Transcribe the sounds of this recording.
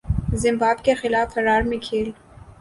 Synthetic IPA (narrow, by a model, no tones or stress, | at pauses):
zɪmbɑbkexɪlɑfaɾɑɾmekʰel